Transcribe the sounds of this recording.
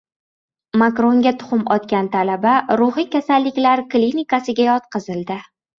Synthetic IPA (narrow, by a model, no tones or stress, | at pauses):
makɾo̞ŋɡʲat̪ʰʊ̥χʊmɒt̪kʲant̪ʰalabaɾʊχikʲasalːɪkʲlaɾklʲinɪkasɪɡʲajɒt̪̚qɨzɪlˠd̪ɪ